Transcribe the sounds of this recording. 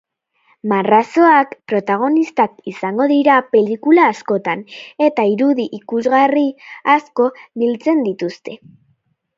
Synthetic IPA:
maraso̞akpɾo̞t̪aɣ̞o̞nist̪akisaŋɡo̞ðiɾape̞likulaːsko̞t̪ane̞t̪aiɾuðiʔikuzɣariasko̞βilt͡se̞nd̪it̪ust̪e̞

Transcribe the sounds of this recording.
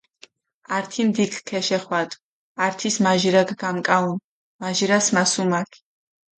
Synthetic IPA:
aɾt̪ʰimd̪ikʰkʰːɛʃɛχwat̪ʼ | aɾt̪ʰismaʒiɾaɡɡamkʼaun | maʒiɾasmasumakʰ

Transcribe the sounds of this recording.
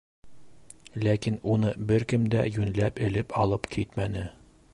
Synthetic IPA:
lækinunɤbɘɾkɘmd̪æ̰jʉnlæpɘ̆lɘpʰɒlˠɤpkʰit̪mænɘ

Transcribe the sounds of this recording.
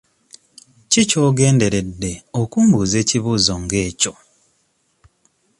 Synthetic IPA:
cicoːɡe̞ːnde̞ɾe̞dːe̞okuːmbuːze̞ːciβuːzo̞ŋɡe̞ːco̞

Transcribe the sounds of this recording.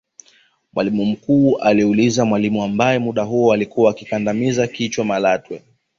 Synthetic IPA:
mwʔalimum̩kuːʔaliulizamwalimuambajɛmuɗaɦuɔalikuaːkikandamizakit͡ʃwamalatwɛ

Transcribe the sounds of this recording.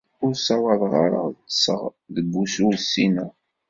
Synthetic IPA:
ʊɾsɑwɑðˤʁɑ̰ɾə̰tːsəʁðəbːususːinæ

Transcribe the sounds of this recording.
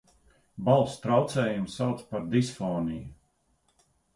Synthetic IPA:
balˠst̪ɾawt̪sɛːjumsawt̪spaɾd̪isfɔːniju

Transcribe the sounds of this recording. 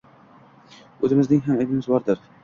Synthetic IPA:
ɵzɪmɪznɪŋɦamed̪ɪmɪzbɒɾd̪ɪɾ

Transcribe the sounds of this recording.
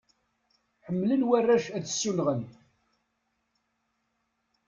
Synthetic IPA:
ħəmːlənwærˤːæʃæðəsːunʁən

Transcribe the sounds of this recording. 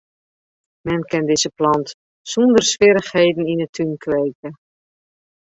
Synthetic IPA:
mɛnkɪndɪzəplɑnt | sɔndərsʋɪɾəxheːdn̩inətʰynkʰʋeːkə

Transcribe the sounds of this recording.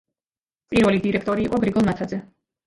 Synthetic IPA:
pʼiɾvɛlid̪iɾɛkʰt̪ʼɔɾiːqʼɔɡɾiɡɔlˠmat̪ʰad̪zɛ

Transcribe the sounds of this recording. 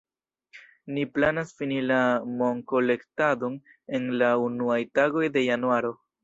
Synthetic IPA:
niplanasfinilamo̞ŋko̞le̞ktadon | e̞nlaunuajtaɡo̞jde̞januaɾo̞

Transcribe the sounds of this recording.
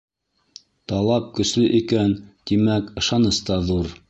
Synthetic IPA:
t̪ɑlˠɑp̚kɵ̆slɵʔikænt̪imækɤ̆ʃɑnɤst̪ɑðuɾ

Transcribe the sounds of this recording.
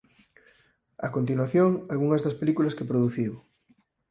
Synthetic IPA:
a̰kont̪inwaθjoŋalɣuŋɐzðɐspelikulɐskepɾoðuθiw

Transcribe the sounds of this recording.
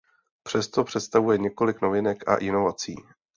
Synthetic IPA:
pr̝̥ɛst̪o̞pr̝̥ɛt̪st̪avujɛɲɛko̞lɪknovɪnɛkʔa̰ʔɪno̞vat͡siː

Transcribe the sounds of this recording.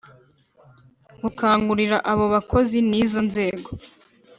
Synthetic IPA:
ɡukaːŋɡuɾiɾaʔaβo̞βakʰo̞ziniːzo̞nze̞ːɡo̞

